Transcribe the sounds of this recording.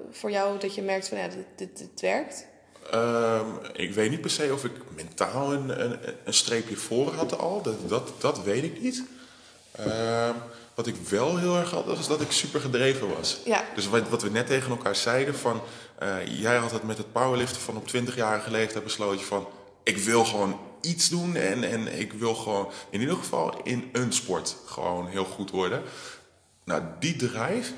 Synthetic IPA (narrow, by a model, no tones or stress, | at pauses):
fʊːɹjawdɑtəmɛɹk̚tfɔnjadɪɪtʋɛɹkt | əmɪ̰kʋejtnit̚pɛɹsejɔfɪkmɛntaːlˠənə̰ənstrejpjəfoːrɦɑtɑ̰lˠddɑtd̥ɑtʋejtɪknit | ə | ʋɑtɪkʋɛlˠɦɪːlˠɛɹχɦɑ̰tʋɑ̰sɪzdɔtɪksypəɹχədrejvəʋɑ̰sd̥øsʋɑtʋənɛtːejχənɛlˠkaːɹzɛjdəfɑn | ʔə̰jɛjɑtətmɛtɦət̚pawəlɪftəfɑnɔptʰʋɪntəχjaːrəχəlejftɛjt̚bəsloːtəfɑn | ɪkʋɪlˠχəʋown | itsdunɛ̰nɛ̰nɪ̰kʋɪlˠχəʋownɪnidəχəvɑ̰lˠɪ̰nənspɔɹtχə̰ʋo̰wnɦɪːlˠχutʋɔɹdə | na̰didrɛjf